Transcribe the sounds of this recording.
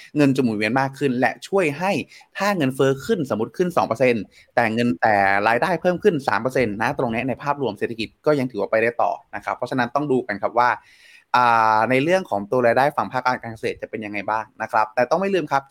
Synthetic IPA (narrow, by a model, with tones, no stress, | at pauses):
ŋɤ˧nt͡ɕo˨˩mu˨˩nwi˧ənmaː˥˩kʰːɯ˥˩nlɛ̰˦˥ʔt͡ɕʰu˥˩əjɦa˥˩jt̪ʰaː˥˩ŋɤ˧nfɤː˦˥kʰɯ˥˩nso˩˦mu˦˥t̪̚kʰɯ˥˩nsɔː˩˦ŋpɤː˧se˧n | t̪ɛː˨˩ŋɤ˧nt̪ɛː˨˩ɾaː˧jdaː˥˩jpʰɤː˥˩mkʰɯ˥˩nsa̰ː˩˦mpɤː˧se˧nːa˦˥t̪ɾo˧ŋni˦˥na˧jpʰaː˥˩p̚ɾu˧mse˨˩a˧ki˨˩t̪̚kɔː˥˩ja˧ŋʰɯ˩˦waː˥˩pa˧jɾaː˥˩jt̪ɔ̰ː˨˩na˦˥kʰɾa˦˥pʰːɔ˦˥t͡ɕʰa˧na˦˥nt̪ɔ˥˩ŋduː˧ka˧nkʰa˦˥p̚waː˥˩ | ʔaː˨˩na˧jɾɯ˥˩əŋkʰɔː˩˦ŋt̪u˧ɾaː˧jdaː˥˩jfa˨˩ŋpʰaː˥˩k̚kaː˧nkaː˧nka˧seː˨˩t̪̚t͡ɕa˨˩pe˧nja˧ŋːa˧jbaː˥˩ŋna˦˥kʰɾa˦˥p̚t̪ɛː˨˩t̪ɔ˥˩ma˥˩jlɯː˧˩mkʰa˦˥p̚